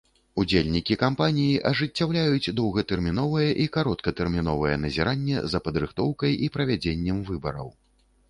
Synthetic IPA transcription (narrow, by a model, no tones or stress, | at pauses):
ud͡zʲelʲnʲikʲikampanʲijiʔɐʐɨt͡sʲːawlʲajud͡zʲd̪ɔwɣɐt̪ɛrmʲinɔvɐjɛʔikaɾɔt̪kɐt̪ɛrmʲin̪ɔvɐjɛ̰nɐzʲiɾʔanʲːɛ̰zɐpɐd̪ɾɨxt̪ɔwkɐjipɾɐvʲad͡zʲenʲːɛmvɨbɐɾɐ̰w